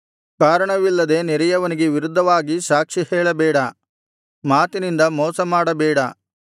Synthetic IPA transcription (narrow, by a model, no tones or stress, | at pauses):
kaːɾɐɳɐʋilːɐd̪e̞niɾɐjɐʋɐniɡe̞ʋiɾud̪ʱːɐʋaːɡisaːkʂihɛːɭɐbɛːɽɐ | maːt̪inind̪ɐmɔːsɐmaːɽɐbɛːɽɐ